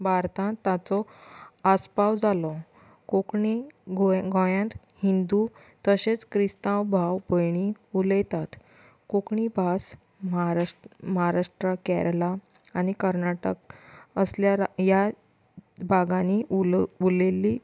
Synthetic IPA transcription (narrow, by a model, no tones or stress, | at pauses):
bʱaɾt̪ãt̪ːat͡sɔaspawd͡zalɔ | kokɳiɡoɡɔ̃jãnt̪ | hind̪u | t̪əɕet͡skɾist̪ãwbʱawbəjɳ̃iuləjt̪at̪ | kokɳibʱas | mɾməɦaɾaʂʈɾəkɛɾlaː | ñikəɾnaʈəkəsljaɾja | bʱaɡãniuleliː